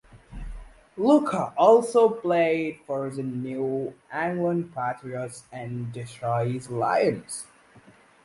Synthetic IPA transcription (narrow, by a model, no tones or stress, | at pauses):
lukʰəʔɔlˠsoʊpl̥eɪd̥fəɹðɨnuʔæ̃ŋɡlə̃npʰætɹiətsɨ̃ndɪtʰɹɔɪɪzla̰ɪɨ̃nz̥